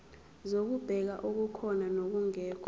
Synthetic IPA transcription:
zok̬ub̥ʱɛk̬aʔok̬ukʰɔnanok̬uŋɛːkʰ

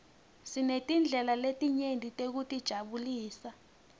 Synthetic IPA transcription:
sinetʼind͡ɮʱɛlaletʼiɲendʱitʼek̬utʼid̥ʒ̥ʱaɓuliːsa

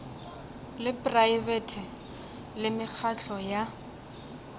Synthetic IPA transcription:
lɪpraivɛtʰɪ | lɪmɪk͡xʰaɬʰɔja

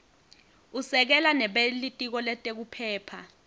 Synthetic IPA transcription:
usɛk̬ɛlanɛɓelitʼik̬ɔlɛtʼek̬upʰɛːpʰa̰

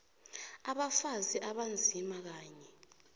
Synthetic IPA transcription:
aɓafaziʔaɓand͡zʱimak̬aːɲɛ

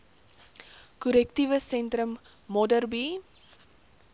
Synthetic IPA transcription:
kɔɾɛktivəsɛntrəmːɔdərbi

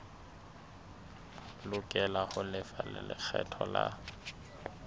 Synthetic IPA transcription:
lʊkʼɛlahʊlɪfalɪlɪk͡xʰɛtʰɔla

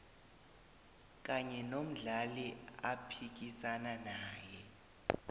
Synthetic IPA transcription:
k̬ʼaɲɛnom̩ɮaliapʰik̬isananaːjɛ

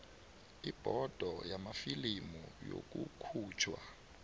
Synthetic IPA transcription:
ib̥ʱɔd̥ʱɔjamafilimujo̰k̬ʼukʰuːt͡ʃʰwa

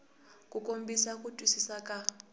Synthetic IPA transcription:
kʼukʼombisakʼutʼwisisakʼa

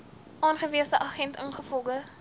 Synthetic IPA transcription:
ʔɑːnχəviəsdəʔɑχɛntənχəfɔlˠɡə

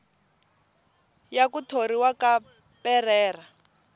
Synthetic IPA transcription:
jakutʰoɾiwaka | pɛrɛːra

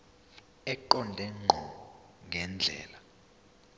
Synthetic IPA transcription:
ɛǃɔndʱɛŋ͡ǃʱɔ | ŋʱɛnd͡ɮʱɛ̰ːla

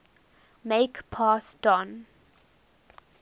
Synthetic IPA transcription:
meɪkpʰasd̥ɔ̃n

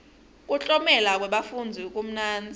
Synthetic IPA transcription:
k̬ʼut͡ɬʼɔmɛlak̬ʼwɛɓafund͡zʱikʼum̩naːnd͡zʱi

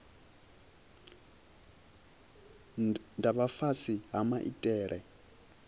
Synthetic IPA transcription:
ndʱaβafasiɦamaʔḭtʼɛːɺɛ

